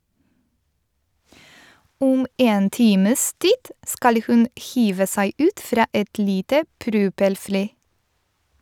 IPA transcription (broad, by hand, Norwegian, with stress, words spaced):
ˈuːm ˈeːn ˈtiːməs ˈtiːd ˈskɑl ə ˈhʉn ˈhiːʋə ˈsæɪ ˈʉːt ˈfɾɑː ˈɛt ˈliːtə ˈpɾʉːpɛlˌfliː